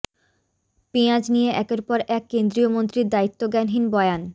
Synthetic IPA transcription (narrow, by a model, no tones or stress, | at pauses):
piãd͡ʑnijeʔɛkeɾpɔɾɛkːend̪ɾiomont̪ɾiɾd̪ait̪ːoɡɛnɦinbɔean